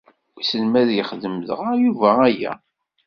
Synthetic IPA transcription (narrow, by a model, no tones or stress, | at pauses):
isəlmæðjəχðəmðə̰ʁjuvææjæ̰